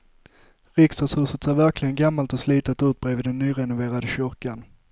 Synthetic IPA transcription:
ʁɪksəshʉ̟ːsət̪seːɾvæɾklɪɡənɡamːalt̪ɔsliːt̪ət̪ʉːt̪̚bɾeːvɪːd̪ɛnːyːɾɛnʊveːɾad̪əɕʏɾkan

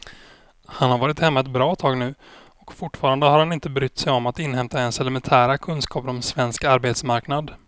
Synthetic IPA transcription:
hanhaɾvɑːɾɪt̪hɛmːaɛt̪bɾɑːt̪ʰɑːɡnʉ̟ː | ɔkfʊʈːfɑːɾand̪əhaɾhanɪnt̪əbɾʏt̪ːsɛjɔmat̪ɪnɦɛmt̪aɛnsɛlɛmɛnt̪ʰæːɾakʰɵnskɑːpɾɔmsvɛnskaɾbeːt̪smaɾknad̪

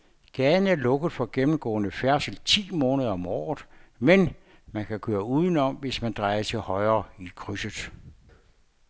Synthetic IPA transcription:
ɡ̥ɛːn̩æɐlɔ̽ɡ̥əð̩ˠfɒ̽ɡ̥emm̩ɡ̥ɔ̰̽ːnəfæɐsl̩t͡sʰḭːmɔːnəð̞ˠɐɒ̽mɒ̰ːð̩ˠmen | mænkʰækʰøːɐuːð̞ˠən̩ɒ̽mʋe̝smænd̥ʁɑ̈ɪɐt͡sʰe̝lhɒ̽ɪɐːikʰʁysəðˠ

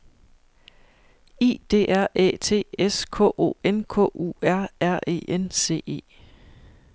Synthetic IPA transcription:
ḭːd̥e̝̰ːæɐ̰ɛ̰ːt͡sʰe̝̰ːeskʰɔ̰ːʔo̝̰enkʰɔ̰ːṵːæɐ̰æɐ̰ʔe̝̰ːʔense̝̰ːe̝̰ː

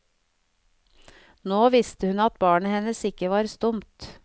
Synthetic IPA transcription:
noːʋɪst̪əhʉnɑt̪̚bɑːɳəhɛnəsɪkəʋɑːɾst̪ʊmt̪

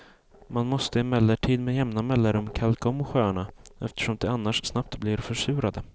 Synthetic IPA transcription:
manmɔst̪əɛmɛlːəʈʰiːd̪meːjɛmnamɛlːaɾɵmkʰalkaɔmːɔɧœːɳaɛ̰ft̪ə̥ʂɔmd̪ɛanːaʂsnap̚t̪blɪɾfœʂʉ̟ːɾad̪ə

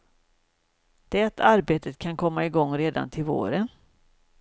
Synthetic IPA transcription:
d̪̥ɛæat̪ʰaɾbeːt̪ət̪̚kʰankʰɔmːaɪɡɔŋːɾeːd̪a̰nt̪ʰɪlvo̰ːɾən

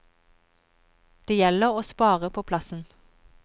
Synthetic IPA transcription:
d̪̥eːjɛləʁoːspɑːʁəpʰoːpʰlɑsn̩

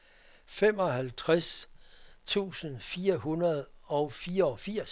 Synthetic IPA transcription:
fem̰ɒ̽ɦælt͡sʰʁas | t͡sʰṵːsənfiːɐɦunɐð̞ˠɒ̽ʊfiːɐɒ̽fiɐ̰s

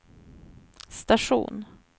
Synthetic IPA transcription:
st̪aʂṵːn

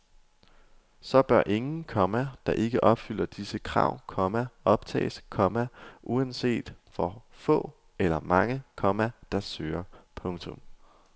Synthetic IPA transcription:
sɒ̽b̥ɶɐʔe̝ŋn̩kʰɒ̽mæd̥ɑ̈ʔe̝ɡ̥əʔɒ̽b̥fyl̰ɐd̥isəkʰʁɑ̈ʊ̰kʰɒ̽mæʔɒ̽b̥̚t͡sʰɛ̰ːskʰɒ̽mæʔuænse̝̰ːd̥fɒfɔ̰̽ː | elɐmɑ̈ŋəkʰɒ̽mæd̥ɑ̈søːɐpʰɔ̽ŋt͡sʰɔ̽m

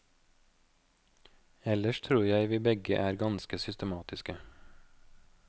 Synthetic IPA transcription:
ɛləʃt̪ʰɾuːɾjæɪʋiːbɛɡə̰ʔæːɾɡɑnskəsʏst̪əmɑːt̪ɪskə

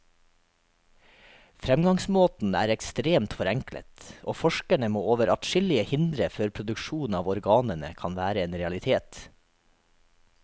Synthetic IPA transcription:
fɾɛmɡɑŋsmoːt̪n̩æ̰ːɾɛkst̪ɾeːmt̪fɔɾɛŋklʔə̰t̪ʔo̰ːfɔʃkæɳəmoːoːʋəɾʔɑ̰t̪ʃɪlɪəhɪnd̪ɾəføːɾpʰɾʊd̪ʉkʃuːn̩ɑːʋɔɾɡɑːnənə̰kʰɑnʋæːɾəeːnɾɛɑlɪt̪ʰeːt̪

